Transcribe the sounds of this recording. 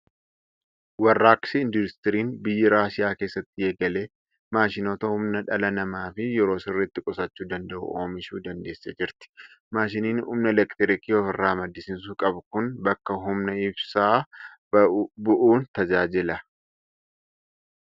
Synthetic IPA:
wɐrːaːksɪɪnd̪ʊɪst̪ɪɾiːnbɪjːɐɾaːʃɪjaːke̞ːsːɐt̪ːɪjɛɡɐleː | maːʃɪno̞ːt̪ɐhʊmnɐᶑɐlɐnɐmaːfɪjɛɾo̞ːsɪrːɪt̪ːɪkʼɔsɐt͡ʃːuːd̪ɐnd̪ɐʔʊ̰o̞̰ːmɪʃuːd̪ɐnd̪e̞ːsːed͡ʒɪɾt̪ɪ̥ | maːʃɪniːnṵːmnɐlɛkt̪ɪɾɪkiːɔfɪrːaːmɐd̪ːɪsɪns̬uːkʼɐbʊkʊnbɐkːɐɦʊmnɐɪbsaː | bʊʔuːnt̪ɐd͡ʒaːd͡ʒɪlɐ

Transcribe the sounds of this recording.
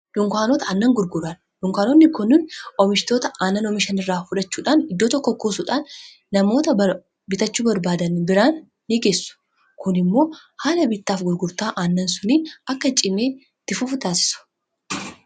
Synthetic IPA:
dʊŋkʷaːnɔːt̪ɐɐnːɐŋɡʊɾɡʊɾaːn | ᶑʊŋkaːnɔnːɪkʊnːɪnɔmɪʃt̪o̞ːt̪ɐaːnːɐnɔmɪʃɐnɪrːaːfʊᶑɐt͡ʃːuːᶑaːnɪd̪ːo̞ːt̪ɔkːɔkːuːsʊᶑaːnː | ɐmo̞ːt̪ɐɐ | bɪt̪ɐt͡ʃːuːbɐɾbaːd̪ɐnbɪɾaːnː | ɪɡe̞ːsːʊ̥ | kʊnɪmːo̞ː | haːlɐbɪt̪ːaːfɡʊɾɡʊɾt̪aːʔaːnːɐnsʊniːnɐkːɐt͡ʃʼɪmeː | t̪ːɪfʊft̪aːsɪ̥sʊ̥

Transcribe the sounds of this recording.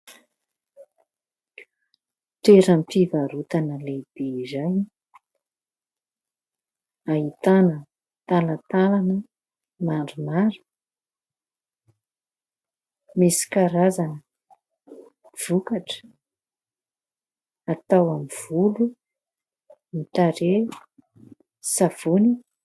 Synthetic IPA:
ʈ͡ʂeɾampivaɾut̪anəleb̥eizaj | ait̪anə | t̪alət̪alanə | maɖ͡ʐumaɾu̥ | mesi̥kaɾazanə | v̥ukaʈ͡ʂə̥ | at̪awamiv̥ulu | mit̪aɾe | sav̥oni

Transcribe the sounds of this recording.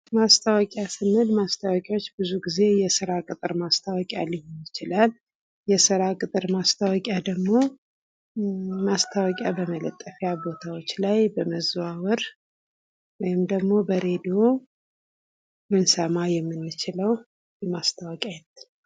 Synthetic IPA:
mast̪ʰawɔkʼjasɨnːɨlmast̪ʰawɔkʼjawot͡ʃːbɨzuɡize̞jɛsɨɾakʼɨt̪ʼɨɾmast̪ʰawɔkʼja̰lihjjɪt͡ʃɪlal | jɛsɨɾakʼɨt̪ʼɨɾmast̪ʰawɔkʼjad̪əɡmo̞ | mast̪ʰawɔkʼjabəmələ̰t̪ʼːəfjabo̞t̪ʰawot͡ʃːlajbəməzawɨɾ | wɔjɪmd̪əɡmo̞bəɾe̞d̪o̞ | mɨnsəmajɛmːɨnːɨt͡ʃɪləw | jɛmast̪ʰawɔkʼjajɛnət̪ʰːn

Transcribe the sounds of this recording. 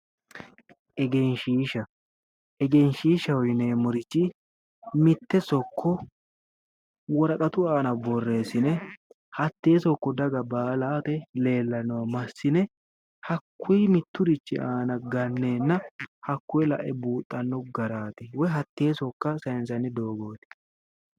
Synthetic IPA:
ʔɛɡɛnʃiːʃɐ | ʔɛɡɛnʃiːʃɐwɔjneːmʊɾɪt͡ʃːɪ | mɪt̪ːɛsɔkʰːɔ | wɔɾɐkʼɐt̪ʊaːnɐbɔrːe̞ːsɪnɛ | hɐt̪ːe̞ːsɔkːɔd̪ɐɡɐbaːlaːt̪ɛle̞ːlːɐnɔwɐmɐsːɪnɛ | hɐkːʊjmɪt̪ːʊd̪ɪt͡ʃːɪ̰ʔaːnɐɡɐnːeːnːɐhɐkːʊjɛlɐ̰ʔɛbuːt̪ʼːɐnːɔɡɐɾaːt̪ɪwɔjɦɐt̪ːe̞ːsɔkːɐsɐɪnsɐnɪd̪o̞ːɡo̞ːt̪ɪ̥

